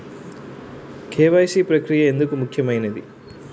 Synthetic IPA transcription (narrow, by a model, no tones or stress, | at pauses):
kʰeːʋɐjsiːpɾɐkɾijɐe̞nd̪ukumukʰjɐmɐjnɐd̪i